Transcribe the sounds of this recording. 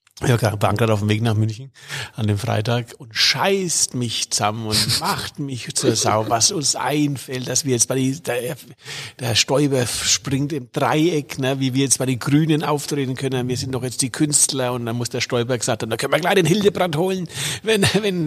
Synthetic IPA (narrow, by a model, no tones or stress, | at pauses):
aɡaba̰ŋkataʊfm̩veːknaːχmʏnçn̩ʔandeːmfʁ̥a̰ɪtaːkʊntʃaɪstmɪçt͡saməmʊntmaχtmɪçt͡suːɐza̰ʊvasʊnsʔa̰ɪnfɛlt̚d̥asviːɐjɛt͡stb̥aɪid̥ | d̥eːɐʃtɔʏbɐʃpʁ̥ɪŋtɪmd̥ʁa̰ɪɛknəviːviːɐjɛt͡stb̥aɪɾeːnɡʁyːnənʔaʊftʁ̥eːtn̩kʰœnənviːɐzɪntnɔχjɛt͡std̥iːkʰʏnstlɐʊntd̥anmʊsd̥eːɐʃtɔʏbɐɡəz̥aːkt̚ʰhaːbmndakœnviɐɡlaɪçd̥eːnhɪldəbʁanthoːlənvɛnvɛn